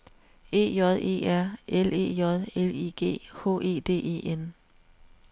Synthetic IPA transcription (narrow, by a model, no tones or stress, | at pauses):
e̝̰ːjɒðˠe̝̰ːæɐ̰ʔele̝̰ːjɒðˠeliɡ̥e̝̰ːho̰ːe̝̰ːd̥e̝̰ːe̝̰ːen